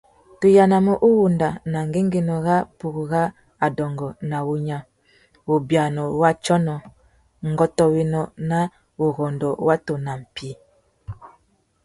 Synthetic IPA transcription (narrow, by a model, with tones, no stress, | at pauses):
tu˨ja˨na˨mɔ˦ʔu˦wu˨nda˨na˨ŋ˨ɡe˦ŋɡe˨nɔ˨ɣa˦pu˨kɣa˦ | a˨dɔ˨ŋɡɔ˨na˨wu˨ɲa˨ | u˨bja˨nɔ˨wa˦t͡ʃɔ˦nɔ˨ | ŋ̩˨ɡɔ˨tɔ˨we˨nɔ˨na˦ | u˨ɣɔ˨ndɔ˨wa˦to˨na˨m̩˨pi˦